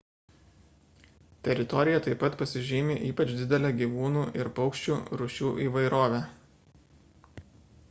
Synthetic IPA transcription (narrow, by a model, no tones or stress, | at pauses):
t̪ʲɛɾʲɪt̪ɔɾʲɪjɛt̪ɐɪpɐt̪pɐsʲɪʒʲiːmʲɪʔiːpɐt͡ʃd̪ʲɪd̪ʲɛlʲɛɡʲiʋuːnuːʔɪɾpɐʊkʃʲt͡ʃʲuːɾʊʃʲuːʔiːʋɐɪɾoːʋʲæ